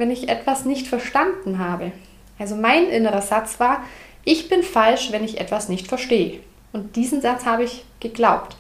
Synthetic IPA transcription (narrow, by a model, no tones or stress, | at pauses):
vɛnɪçʔɛ̰tv̥asnɪçtfɛɐʃtandn̩ɦaːbə | ʔalzomaɪnʔɪnəʁɐzat͡sv̥aːɐ | ʔɪçb̥ɪnfalʃvɛnɪçʔɛ̰tv̥asnɪçtfɛɐʃteːə | ʔʊntd̥iːzn̩zat͡shaːbəɪçɡ̥əɡlaʊpt